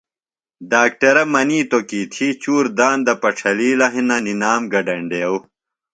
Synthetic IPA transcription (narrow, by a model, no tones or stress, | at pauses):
ɖaːk̚ʈɐɾɐmɐniːt̪okiːt̪ʰit͡ɕuːɾd̪aːnd̪ɐpɐʈ͡ʂʰɐliːlɐɦinɐninaːmɡɐɖɐɳɖeːw